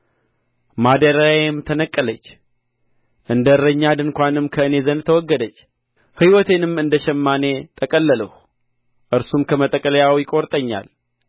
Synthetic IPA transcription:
mad̪əɾaemt̪ʰənəkʼːələt͡ʃː | ʔɨnd̪əɾəɲːad̪ɨnkʷanɨmkʰəɨne̞zənt̪ʰəwɔɡːəd̪ət͡ʃː | hɨwɔt̪ʰe̞nɨmɨnd̪əʃɛmːane̞t̪ʰəkʼəlːələh | ʔɨɾsumkʰəmət̪ʼːəkʼələjawjɪkʼoɾt̪ʼəɲːa̰l

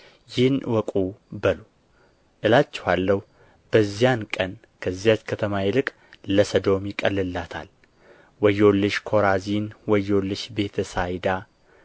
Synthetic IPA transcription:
jɪhnwɔkʼubəlu | ʔɨlat͡ʃːɛ̥halːəh | b̥əzːijankʼən | kʰəzːijat͡ʃkʰət̪ʰəmajɪlɨkʼ | ləsəd̪o̞mjɪkʼəlːɨlːat̪ʰa̰l | wɔjolːɨʃkʰo̞ɾazinwəjolːɨʃbe̞t̪ʰəsajd̪a

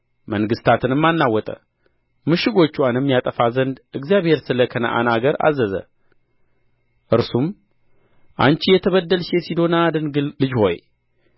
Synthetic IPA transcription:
məŋɡɨst̪ʰat̪ʰɨnɨmːanːawːɔt̪ʼə̰ | mɨʃɪɡo̞t͡ʃːwanɨmːijat̪ʼəfazənd̪ɨɡzijaβhe̞ɾsɨləkʰənə̰ʔa̰naɡəɾa̰zːəzə̰ | ʔɨɾsum | ʔa̰nt͡ʃijɛt̪ʰəβəd̪ːəlʃe̞sid̪o̞nad̪ɨnɡlɨd͡ʒho̞̰j

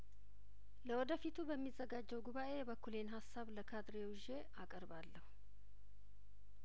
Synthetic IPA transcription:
ləwɔd̪əfit̪ʰubəmːizːəɡad͡ʒːɛwɡuβaʔe̞jɛβəkʰːulenɦasːaβləkʰad̪ɾewuʒe̞ | akʼəɾbalːəhu

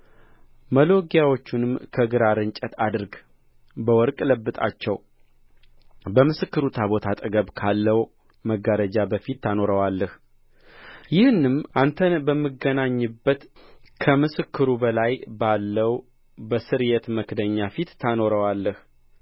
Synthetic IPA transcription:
məlo̞ɡjawot͡ʃːunɨmkʰəɡɨɾaɾɨnt͡ʃʼət̪ad̪ɨɾɡ | bəwɔɾkʼləbːɨt̪ʼa̰t͡ʃːɛw | bəmɨsɨkːɨɾut̪ʰaβo̞t̪ʰat̪ʼəɡəβkʰalːəw | məɡəɾəd͡ʒabəfit̪ːʰano̞ɾəwalːəh | jɪhɨnːɨmʔant̪ʰənbəmːɨɡənaɲːɨbːət̪kʰəmɨsɨkʰːɨɾubəlajbalːəw | bəsɨɾjɛt̪məkd̪əɲːafit̪ːʰano̞ɾəwalːəh

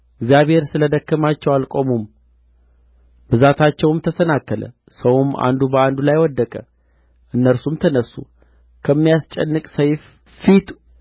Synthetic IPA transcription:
ɨɡzijaβhe̞ɾsɨləd̪əkːəmat͡ʃːɛwalkʼomum | bɨzat̪ʰat͡ʃːɛwɨmt̪ʰəsənakːələ̰ | səwuma̰nd̪ubəand̪ulajwɔd̪ːəkʼə | ʔɨnːəɾsumt̪ʰənəsːu | kʰəmːijast͡ʃʼɛnːɨkʼsəjf | fit̪ʰu̥

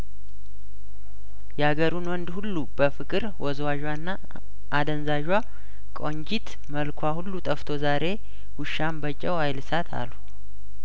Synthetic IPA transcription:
jɛhaɡəɾunwɔnd̪hulːubəfɨkʼɨɾwɔzwaʒwanːa | ʔad̪ənzaʒwa | kʼoɲd͡ʒit̪ | məlkʰʷahulːut̪ʼəft̪ʰo̞zaɾe̞ | huʃːambət͡ʃʼːɛwhajlsat̪ʰa̰lːu

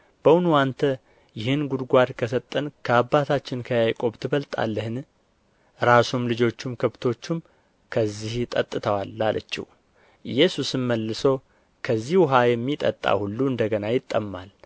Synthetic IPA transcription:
b̥əwʊnuant̪ʰə | jɪhɨnɡud̪ɡʷad̪kʰəsət̪ʼːənkʰəabːat̪ʰat͡ʃːɪnkʰəjajkʼo̞bt̪ʰɨβəlt̪ʼa̰lːəhɨn | ɾasumlɨd͡ʒo̞t͡ʃːumkʰəβt̪ʰo̞t͡ʃːum | kʰəzːiht̪ʼət̪ʼːɨt̪ʰəwalːalʔə̰t͡ʃːḭh | ɨjɛsusɨnməlːɨsow | kʰəzːihuɦajɛmːit̪ʼə̰t̪ʼːa̰hulːuɨnd̪əɡənajɪt̪ʼːəmːal

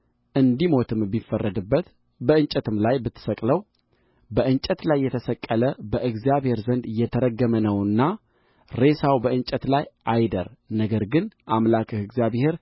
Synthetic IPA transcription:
ʔɨnd̪imo̞t̪ʰɨmbifərːəd̪ɨbːət̪ | bəɨnt͡ʃʼət̪ʰɨmlajbɨt̪ʰːɨ̥səkʼləw | bəʔɨnt͡ʃʼət̪lajːɛt̪ʰəsəkʼːələbəʔɨɡzjaβhe̞ɾzənd̪jɛt̪ʰəɾəɡːəmənəwɨnːa | ɾe̞sawbəɨnt͡ʃʼət̪lajʔajd̪ə̰ɾnəɡəɾɡɨnʔamlakɨhɨɡzjaβhe̞ɾ

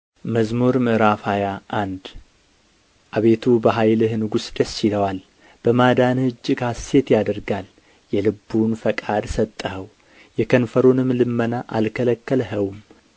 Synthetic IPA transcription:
məzmoɾmɨɾafajaʔand̪ | ʔaβe̞t̪ʰubəɦajlɨhnɨɡusd̪əsːiləwal | b̥əmad̪anhɨd͡ʒːkase̞t̪jad̪əɾɡal | jɛlɨbːunfəkʼad̪sət̪ʼːəhəw | jɛkʰənfəɾonɨmlɨmːənaʔalkʰələkːəlɦəwum

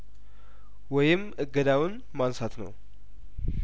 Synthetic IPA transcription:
wɔjɪm | ɨɡːəd̪awʊn | mansat̪nə̰w

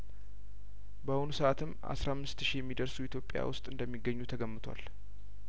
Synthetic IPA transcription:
bəhʊnusəʔat̪ʰɨmːʔa̰sɾamːɨst̪ʃijɛmːid̪əɾsuit̪ʰjo̞pʼːja̰wʊst̪ʼɨnd̪əmːiɡːəɲːut̪ʰəɡəmːɨt̪ʰwa̰l

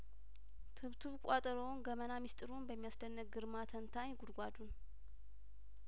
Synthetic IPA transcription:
t̪ʰɨβt̪ʰuβkʼat̪ʼəɾonɡəmənamist̪ʼɨɾunbəmːijasdənːək̚ɡɨɾmat̪ʰənt̪ʰaɲɡud̪ɡʷad̪un

